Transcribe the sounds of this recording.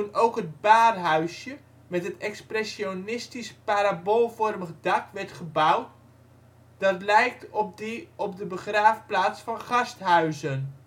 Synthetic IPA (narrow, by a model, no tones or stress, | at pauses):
unowkɦət̚baːrɦœɥsjə | mɛtɦətɛksprɛsjonɪstispaɾabolˠvɔrməχdakʋɛrtχəbawt̚ | d̥ɑtlɛjk̚t | ɔp̚dəbəχraːfplaːsfɑnχɑstɦœɥzən